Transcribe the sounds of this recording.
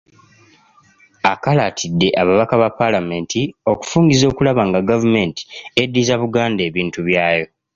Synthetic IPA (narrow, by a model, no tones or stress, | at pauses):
akalatʰidːe̞ʔaβaβakaβapːalame̞ntio̞ku̥fuːŋɡizo̞ːkulaβaːŋɡaɡavume̞nti̥e̞dːizaβuɡaːnde̞ːβiːntuβjaːjo̞